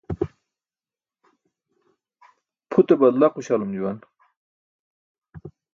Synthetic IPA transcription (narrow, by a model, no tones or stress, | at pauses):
pʰut̪ebɐd̪laquɕalumd͡ʑuwan